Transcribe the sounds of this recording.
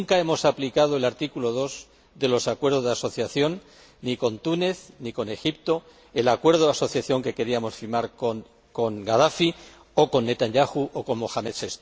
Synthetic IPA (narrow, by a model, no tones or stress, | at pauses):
ŋkae̞mo̞saplikað̞oe̞laɾt̪ikulo̞ð̞o̞z | ðe̞lo̞sakwe̞ɾðo̞zðaso̞θjaθjo̞nː | iko̞nt̪une̞θniko̞ne̞xipt̪o̞ | e̞lakwe̞ɾð̞oðaso̞θjaθjo̞ŋke̞ke̞ɾiamo̞sfiɾmaɾkon | ko̞ŋɡað̞afi | o̞ko̞nːe̞t̪anʝaxuʔoko̞nmo̞xamet̪se̞st̪